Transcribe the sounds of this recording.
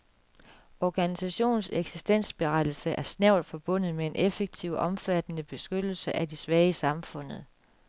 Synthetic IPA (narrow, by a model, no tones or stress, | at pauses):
ɒɡ̥ænisæɕo̝̰ːnseɡ̥sisd̥en̰sb̥e̝ʁɑd̥l̩səʔæɐsnæʊlfɒ̽b̥ɔ̽n̰ð̞̩ˠmee̝nʔefeɡ̥̚t͡sʰiʊ̰ʔɒ̽mfæd̥nəb̥e̝sɡ̥ød̥l̩səʔædisʋɛːəsɑ̈mfɔ̽n̰ð̩ˠ